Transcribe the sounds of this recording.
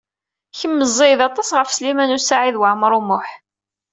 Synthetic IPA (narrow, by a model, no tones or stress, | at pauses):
çəmːəzˤːɪðɑt̪ˤɑsʁəfslimænusaʕiðwəʕmɾˤumʊħ